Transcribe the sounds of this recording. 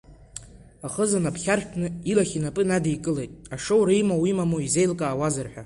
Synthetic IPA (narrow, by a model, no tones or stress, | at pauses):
aχəzanapʰχʲarʃʰnɨilaχʲinapʼɨnadijkʼɨle̞jtʼaʂowɾijmawimamoize̞jlkʼaːwazarħʷᶣa